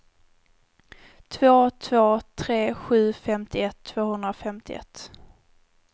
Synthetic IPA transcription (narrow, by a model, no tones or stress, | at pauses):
t̪ʰvoːt̪ʰvoːt̪ʰɾeːɧʉ̟ːfɛmt̪ɪɛt̪ʰːv̥oːhɵnd̪ɾafɛmt̪ɪɛ̰t̪ː